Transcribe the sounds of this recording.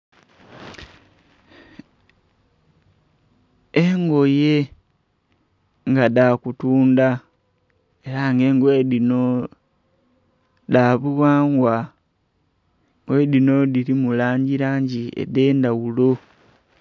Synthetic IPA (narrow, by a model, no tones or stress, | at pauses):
eŋɡo̞je̞ | ŋɡadakutuːnda | e̞ɾaŋɡe̞ːŋɡwedino | daːβuwaːŋɡwa | ŋɡwe̞dino̞diɾimulaːɲɟiɾaːɲɟiḛde̞ːndawulo̞